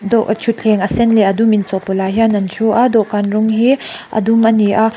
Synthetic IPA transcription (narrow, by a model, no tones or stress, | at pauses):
dɔʔt͡ʃʰut͡ɬʰɛŋʔasɛnlɛʔadumint͡sɔpɔlajɦanant͡ʃʰuʔad̪ɔʔkanrʊŋɦiʔa̰d̪umaniʔa